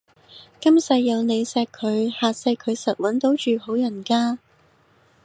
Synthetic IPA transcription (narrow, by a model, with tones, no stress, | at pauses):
kɐ˥msɐ˨˧jːɐ˨˧wne˨˧jsɛː˧kʰːɵ˨˧ɥhaː˨˧sɐ˧jkʰɵ˨˧ɥsɐ˨t̚wɐ˨˥nt̪o˨˥wt͡ʃyː˨ho˨˥wjɐ˨˩nkaː˥